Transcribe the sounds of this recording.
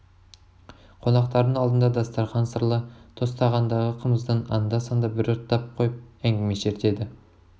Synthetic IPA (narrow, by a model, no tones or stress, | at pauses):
qʰo̞nɑqt̪ɑɾd̪əɴɑlˠd̪ənd̪ɑd̪ɑst̪ɑɾʁɑnsəɾlˠət̪ʰo̞st̪ɑʁɑnd̪ɑʁəqʰəməzd̪ənɑ̰nd̪ɑsɑnd̪ɑbɪɾɾt̪ʰːɑp̚qʰojəp̚æŋɡʲeme̞ʃe̞ɾt̪e̞d̪ɪ